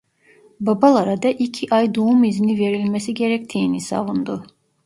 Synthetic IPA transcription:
babalˠaɾad̪aʔicʰiʔajd̪oumiznive̞ɾilʲmesiɟe̞ɾɛc̚t̪ʰijinisa̰vund̪u

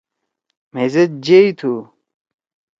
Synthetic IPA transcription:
mezet̪̚d͡ʑeit̪ʰu

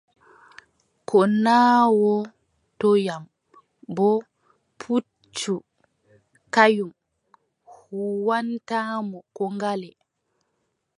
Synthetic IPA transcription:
kʰɔnaːwɔ | tɔjam | bɔ | pʰu | t͡ʃːu | kajum | huwantaːmɔkɔŋɡalɛ

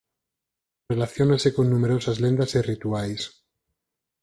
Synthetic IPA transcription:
re̞laθjonasekonːũme̞ɾo̞sazlend̪asirit̪uajs

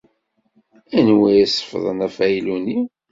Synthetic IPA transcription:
ænwijæsə̥fðˤə̰næfæjiluni

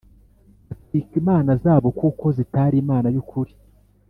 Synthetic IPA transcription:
asikimaːnazaːβo̞kuko̞zitaːɾiːmaːnajukuɾi

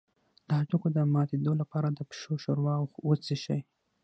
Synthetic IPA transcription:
d̪̥əaʈukod̪əmɑt̪ed̪olapɑɾad̪əpʃoʃoɾwɑwxwət͡siʃaj

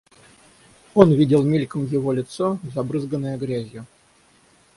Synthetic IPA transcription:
o̞nvʲidʲɪlˠmʲilʲkəmjɪvo̞lʲɪt̪so̞zɐbɾɨzɡənːəjəɡɾʲæzʲjʊ

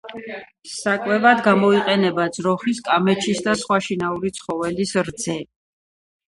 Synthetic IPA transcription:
sakʼwɛvad̪ɡamɔiqʼɛnɛbad̪zɾɔχiskʼamɛt͡ʃʰisd̪asχwaʃinauɾit̪sʰχɔvɛlisɾd̪zɛ

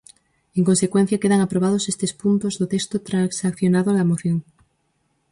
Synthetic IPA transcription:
eŋkonsekwen̟θjakeðaŋapɾoβ̞að̞osest̪espunt̪ozðot̪est̪ot̪ɾasakθjonaðoalaemoθjo̞ŋ

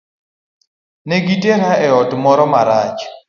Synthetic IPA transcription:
neɡiteɾaɛɔtmɔɾɔmaɾat͡ʃ

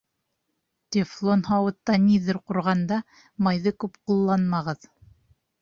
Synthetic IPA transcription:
t̪ʲeflˠonhɑwɤ̆t̪ːɑniðɘɾquɾʁɑnd̪ɑ | mɑjðɤkʉpqulˠːɑnmɑʁɤð

